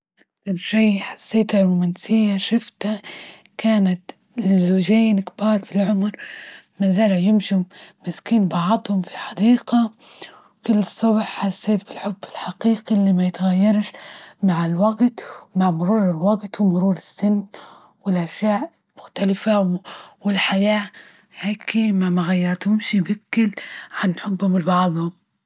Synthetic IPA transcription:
ʔaksɑɾʃiːħḁsːeːt̪harˤʊmansɪjːaʃʊft̪a | kaːnat̪ | lɪzoːʒeːnkbɑːɾˤfilʕʊmɾ | mazaːlajɪmʃɪmɪskiːnbɑʕd̪ˤhʊmfi̥ħɑd̪iːqɑ | wkʊlːɨsˤːʊbħħasːeːt̪bɪlħʊbːɪlħaqiːqilːiːmajɪt̪aɣajːɑɾˤʃmaʕɪlwaɡt̪maʕmʊɾuːɾɪlwaɡt̪wɪmʊɾuːɾɪsːɪnː | wɪlʔaʃjaːʔ | mʊxt̪alɪfawɪlħajaː | heːkɪmaʕmaɣajːɑɾˤt̪jʊmʃibɪkːɪlʕanħʊbːhʊmlbɑʕðˤhʊm

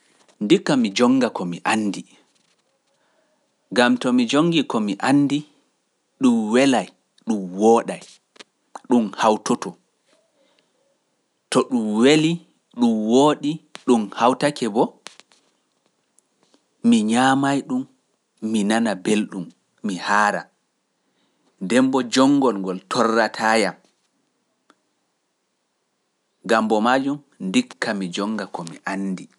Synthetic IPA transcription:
ndikːamid͡ʒɔŋːɡakɔmiʔanːdi | ɡamtɔmid͡ʒoŋːɡikɔmiʔanːdi | ɗumwɛlaj | ɗumwɔːɗaj | ɗumhawtɔtɔ | tɔɗumweli | ɗumwoːɗiɗumhawtakɛbɔ | miɲaːmajɗumː | inanabelɗumː | ihaːɾa̰ | dɛmbɔd͡ʒɔŋːɡɔlŋɡɔltʰɔrːatʰajam | ɡambɔmaːd͡ʒum | ndikːamid͡ʒɔŋːɡakɔmiʔanːdi

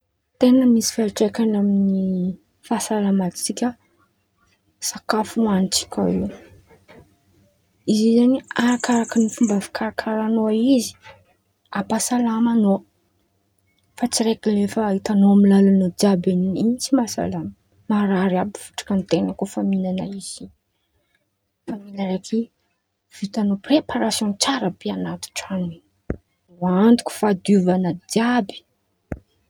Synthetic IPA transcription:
t̪enəmisi̥faaʈ͡ʂekanamini | fasalamat̪t͡sikʲə | sakafuanit͡si̥kʲa̰iw | izizaniaɾakaɾakənifumbavi̥kʰaɾakʰaɾanoaizi̥ | apasalamano | fat͡siɾekilefəit̪anoamilalanud͡ʒabeniint͡simasa̰lamə | maɾaɾiabiv̥u̥ʈ͡ʂḁkənt̪enəkofaminanaiz̥i | faminəɾekʰi | v̥it̪anoprepaɾasjõnt͡saɾapeanat̪u̥ʈ͡ʂani | uant̪u̥kʲu̥fad̪uvanəd̪jabi̥

